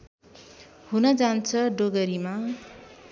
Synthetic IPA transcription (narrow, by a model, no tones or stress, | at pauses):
hunʌd͡zant͡sʰʌɖoɡʌɾima